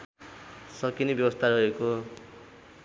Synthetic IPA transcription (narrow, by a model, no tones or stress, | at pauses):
sʌkinibjʌbʌst̪ʰaɾʌeko